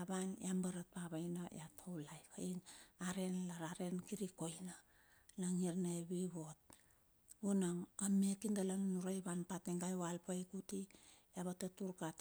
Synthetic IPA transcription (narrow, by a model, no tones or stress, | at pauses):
aβanjambaɾat̚paβajnaj̰atʰowlajkainaɾe̞nlaɾaɾe̞nkiɾiko̞jna | laŋiɾnaeβiβo̞t̚ | unaŋamekindalaŋnuɾajβanpateŋɡajwalpajkutijaβatatuɾkat